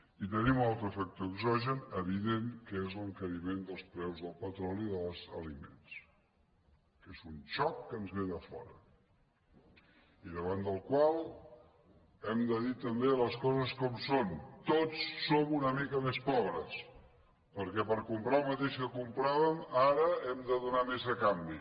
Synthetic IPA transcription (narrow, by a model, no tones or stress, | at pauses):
it̪ənimnalˠt̪ɾəfɛk̚t̪oəɡzɔʒənəβ̞iðeŋkəezləŋkəɾimend̪əlˠspɾɛwzðəlˠpət̪ɾɔliðəlzəlimḛns | kezunt͡ʃɔkːənzβeðəfɔ̰ɾə | iðəβand̪əlˠkwalˠ | ɛmd̪əðit̪əmbeələskɔzəskɔmsont̪ot͡sːomunəmikəmespɔβɾəs | pəɾkɛpəɾkumpɾalmət̪eʃkəkumpɾaβəmaɾəɛmd̪əðunamezðəkambi